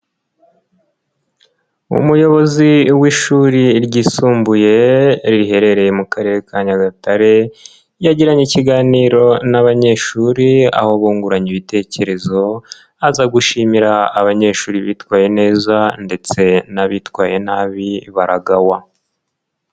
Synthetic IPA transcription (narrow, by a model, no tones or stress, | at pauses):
ṵmujo̞βo̞ziwiʃuːɾiɾɟiːsuːmbuje̞ɾiɾiɦe̞ɾe̞ɾe̞jemukaɾe̞ːɾe̞kaɲaɡataɾe̞ | jaɟiɾaɲiciɡaːniːɾo̞naβaɲe̞ʃuːɾia̰ho̞βuːŋɡuɾaɲiβite̞ːce̞ɾe̞zo̞ | azaɡuʃimiɾaːβaɲe̞ʃuːɾiβiːtwaːje̞ne̞ːzande̞t͡se̞naβitwaːje̞naːβiβaɾaɡawa